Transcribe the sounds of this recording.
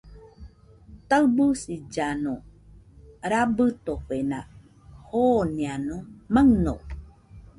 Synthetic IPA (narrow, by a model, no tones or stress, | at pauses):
t̪awbusid͡ʒano | ɾabɨt̪oɸena | honianumaŋnow